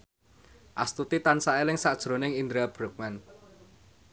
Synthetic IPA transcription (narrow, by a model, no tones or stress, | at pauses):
ʔa̰st̪ut̪it̪ansaelɪŋsaʔd̥ʒ̥ɾo̤nɪŋind̪ɾab̥ɾʊk̚mɛn